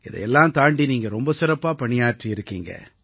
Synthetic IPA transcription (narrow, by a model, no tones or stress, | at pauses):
ɪðɐ̰ɛlːãːmt̪aːɳɖiniːŋɡɐɾɔmbɐsɪɾɐpːaːpɐɳɪjaːʈriɪɾɯkːiːŋɡɐ̰